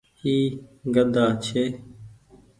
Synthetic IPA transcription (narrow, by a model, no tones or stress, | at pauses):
hiːɡəd̪aːt͡ʃʰeː